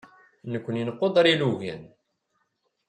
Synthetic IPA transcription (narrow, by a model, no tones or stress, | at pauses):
nəkʷːənjinqːod̪ˤɑɾiluʝæ̰n